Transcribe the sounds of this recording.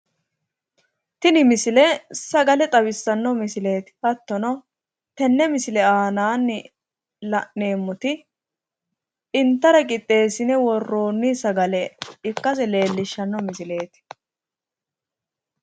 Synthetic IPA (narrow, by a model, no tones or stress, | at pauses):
t̪ɪnɪmɪsɪlɛsɐɡɐlɛt̪ʼɐbɪsːɐnːɔmɪsɪle̞ːt̪hɐt̪ːɔnɔ | t̪ɛnːɛmɪsɪlɛaːnaːnːɪ | lɐʔe̞ːmːɔt̪ɪ | ɪnt̪ːɐɾɐkʼɪt̪ʼːe̞ːsɪnɛwɔrːo̞ːnːisɐɡɐlɛɪkːɐs̬ɛle̞ːlːɪʃːɐnːɔmɪsɪle̞ːt̪ɪ̥